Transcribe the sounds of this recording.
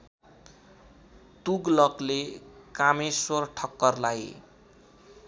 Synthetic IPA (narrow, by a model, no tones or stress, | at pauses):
t̪uɡlʌklekameswʌrʈʰʌkːʌrlaj